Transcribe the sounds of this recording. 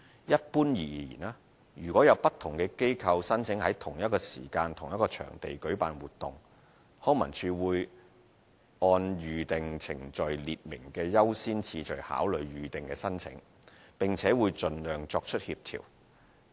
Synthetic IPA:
jɐ˥t̚puː˥njiː˨jḭː˨˩naː˧ | jyː˨˩kʷɔː˨˥jɐ˨˧wpɐ˥t̪ʰʊ˨˩ŋkɛː˧ke˥jkʰɐ˧wsɐ˥nt͡sʰɪ˨˥ŋhɐ˨˥jt̪ʰʊ˨˩ŋjɐ˥t̚kɔː˧sḭː˨˩kaː˧nt̪ʰʊ˨˩ŋjɐ˥kɔː˧t͡ʃʰœ̰ː˨˩ŋt̪e˨jkɵ˨˥ɥpa̰ː˨nwuː˨t̪̚ːʊ˨ŋ | hɔː˥mɐ˨˩nt͡ʃʰyː˧wuː˨˧j | ɔː˧nɥyː˨t̪ɪ˨ŋt͡sʰɪ̰˨˩ŋt͡ʃɵ˨ɥliː˨t̚mɪ˨˩ŋkɛː˧jɐ˥wsiː˥nt͡sʰiː˧t͡ʃɵ˨ɥha̰ː˨˥wlɵ˨ɥɥyː˨t̪ɪ˨ŋkɛː˧sɐ˥nt͡sʰɪ̰˨˥ŋ | pɪ˨ŋt͡sʰɛː˨˥wuː˨˧jt͡ʃɵ˧nlœː˨ŋt͡ʃɔː˧k̚t͡ʃʰɵ˥t̚hiː˧p̚t̪ʰḭː˨˩w

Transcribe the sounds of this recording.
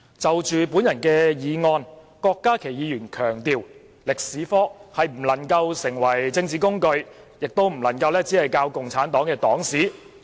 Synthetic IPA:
t͡sɐ˨wt͡ʃyː˨pu˨˥njɐ˨˩nkɛː˧jiː˨˧ŋɔː˧n | kɔː˧kːaː˥kʰe˨˩jiː˨˧jyː˨˩nkʰœː˨˩ŋt̪iː˨˧w | lɪ˨k̚siː˨˥fɔː˥hɐ˨jm̩˨˩lɐ˨˩ŋkɐ˧wsɪ˨˩ŋwɐ˨˩jt͡sɪ˧ŋt͡siː˨kʊ˥ŋkɵ˧ɥjɪ˨k̚t̪o˥wm̩˨˩lɐ˨˩nkɐ˧wlɛː˥t͡siː˨˥hɐ˨jkaː˧wkʊ˨ŋt͡sʰaː˨˥nt̪ɔː˨˥ŋkɛː˧t̪ɔː˨˥ŋsiː˨˥

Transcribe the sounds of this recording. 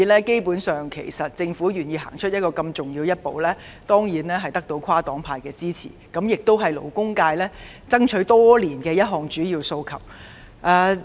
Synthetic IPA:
lɛː˥ke˥jpuː˨˥nsœː˨ŋkʰḛ˨˩jsɐ˨t̚t͡sɪ˧ŋfuː˨˥ɥyː˨˩njiː˧ɦa̰ː˨˩ŋt͡ʃʰɵ˥t̚jɐ˥t̚kɔː˧kɐ˧mt͡sʊ˨ŋjiː˧wjɐ˥t̚po˨wlɛː˥ | t̪ɔː˥ŋjiː˨˥nɛː˥ɦɐ˨jt̪ɐ˥k̚t̪o˧wkʰwaː˥t̪ɔː˨˥ŋpʰaː˧jkɛː˧t͡siː˥t͡sʰḭː˨˩kɐ˨˥mjɪ˨k̚t̪o˥wɦɐ˨jlo̰˨˩wkʊ˥ŋkaː˧jlɛː˥ | t͡sɐ˥ŋt͡ʃʰɵ˨˥ɥt̪ɔː˥liː˨˩nkɛː˧jɐ˥t̚ɦɔː˨ŋt͡ʃyː˨˥jiː˧wso˧wkʰɐ̰˨˩w̚ | ʔɛː˧˩

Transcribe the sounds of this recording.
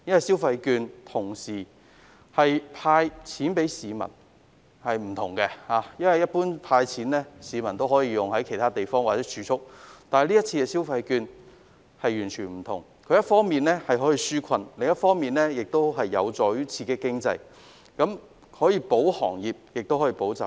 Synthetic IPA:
jɐ˥nwɐ˨˩jsi˥wfɐ˧jkyː˧nt̪ʰʊ˨˩ŋsiː˨˩ | hɐ˨jpʰaː˧jt͡sʰiː˨˥npe˨˥jsiː˨˧mɐ̰˨˩n | hɐ˨jm̩˨˩t̪ʰʊ˨˩ŋkɛ˧haː˨˧jɐ˥nwɐ˨˩jɐ˥t̚puː˥npʰaː˧jt͡sʰiː˨˥nlɛː˥siː˨˧mɐ˨˩nt̪o˥wɦɔː˨˥jiː˧jʊ˨ŋɐ˨˥jkʰe˨˩jt̪ʰaː˥t̪e˨jfɔː˥ŋwaː˨˩t͡sɛː˨˥t͡ʃʰyː˨˧˥t͡sʰʊ˥k̚t̪aː˨nhliː˥t̚t͡sʰi˧kɛ˧siː˥wfɐ˧jkyː˧n | hɐ˨jːyː˨˩nt͡ʃʰyː˨˩nm̩˨˩t̪ʰʊ˨˩ŋ | kʰɵ˨˧ɥjɐ˥t̚fɔː˥ŋmiː˨nlɛː˥hɐ˨jɦɔː˨˥jiː˧syː˥kʰɐ˨˧nlɪ˨ŋjɐ˥t̚fɔː˥ŋmiː˨nlɛː˥jɪ˨k̚t̪o˥wɦɐ˨jːɐ̰˨˧wt͡sɔː˨jyː˥t͡sʰiː˧kɛ˧kɪ˥ŋt͡sɐ̰˧j | kɐ˨˥m | hɔː˨˥jiː˧po˨˥whɔ̰ː˨˩ŋjiː˨p̚jɪ˨k̚t̪o˥whɔː˨˥jiː˧po˨˥wt͡sa̰˨˩

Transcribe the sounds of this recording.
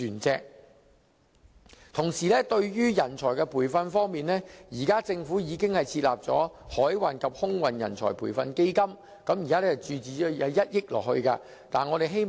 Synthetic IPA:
yː˨˩nt͡sɛː˧k̚ | t̪ʰʊ˨˩ŋsiː˨˩lɛː˥t̪ɵ˧ɥjyː˥jɐ˨˩nt͡sʰɔː˨˩jkɛ˧pʰuː˨˩jfɐ˧nfɔː˥ŋmiː˨˧nlɛː˥jiː˨˩kaː˥t͡sɪ˧ŋfuː˨˥jiː˨˧kɪ˥ŋhɐ˨jt͡sʰiː˧t̚la̰ː˨p̚t͡sɔ̰ː˨˥hɔː˨˥jwaː˨˩nkʰɐ˨p̚hʊ˥ŋwɐ˨njɐ̰˨˩nt͡sʰɔ̰ː˨˩jpʰṵː˨˩jfɐ̰˧nke˥jkɐ˥m | kɐ˨˥mjiː˨kaː˥ɛ˥ɐ˨˩t͡ʃyː˨˧t͡siː˨˧ɔ˨˥jɐ˨˧wjɐ˥t̚jɪ˥k̚lɔ̰ː˨˩khɵ˧ɥkaː˧ | t̪a̰ː˨nŋɔː˨˧ɾe˨jɦe˥j

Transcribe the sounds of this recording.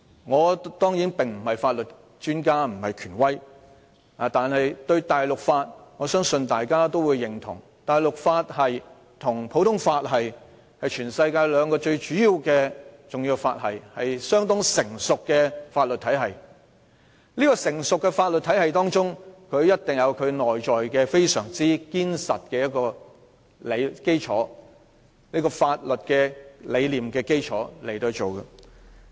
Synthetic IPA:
ŋɔː˨˧t̪ɔː˥ŋjiː˨˥npɪ˨ŋm̩˨˩hɐ˨jfaː˧t̚lɵ˨t | t͡ʃyː˥nkaː˥m̩˨˩hɐ˨jkʰyː˨˩nwɐ˥j | a˨˩t̪aː˨nhɐ˨jt̪ɵ˧ɥt̪aː˨jlʊ˨k̚faː˧t̚ŋɔː˨˧sœː˥ŋsɵ˧nt̪aː˨jkaː˥t̪̬o˥wu˨˧jːɪ˨˩ŋt̪ʰʊ̰˨˩ŋ | t̪aː˨jlʊ˨k̚faː˧t̚hɐ˨j | t̪ʰʊ˨˩ŋpʰo˨˥wt̪ʰʊ˥ŋfaː˧t̚ɦɐ˨j | hɐ˨jt͡ʃʰyː˨˩nsɐ˧jkaː˧jlœː˨˧˥ŋkɔː˧t͡ʃɵ˧ɥt͡ʃyː˨˥jiː˨˧wkɛː˧t͡sʊ˨ŋji˧wfa̰ː˧t̚hɐ̰˨jhɐ˨jsœː˥ŋt̪ʊ˥ŋsɪ˨˩ŋsʊ˨kːɛ˧faː˧t̚lɵ˨t̪̚ʰɐ˨˥jɦɐ˨˩j | niː˥kɔː˧sɪ˨˩ŋsʊ˨kːɛ˧faː˧t̚lɵ˨t̪ʰːɐ˨˥jɦɐ˨jt̪ɔː˥ŋt͡ʃʊ˥ŋkʰɵ˨˧ɥjɐ˥t̚t̪ɪ˨˩ŋjɐ˨˧wkʰɵ˨˧nɔː˨jt͡ʃɔː˨jkɛː˧fe˥jsœː˨˩ŋt͡siː˥kiː˥nsɐ˨t̚kɛː˧jɐ˥t̚kɔː˧ | le˨˧jke˥jt͡ʃʰɔ̰ː˨˥ | niː˥kɔː˧faː˧t̚lɵ˨t̚kɛː˧le˨˧jliː˨mkɛː˧ke˥jt͡ʃʰɔː˨˥le˨˩jt̪o˧t͡so˨˩wkɐ˧

